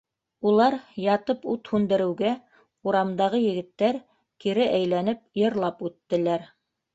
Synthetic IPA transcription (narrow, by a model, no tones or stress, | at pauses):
ulˠɑɾjɑt̪ɤput̪hʉnd̪ɘ̆ɾɘ̆wɡæ | uɾɑmd̪ɑʁɤjɘ̆ɡɘ̆t̪ːæɾ | kiɾɘʔæjlænɘp̚jɤ̆ɾlˠɑpʉt̪ːɘ̆læɾ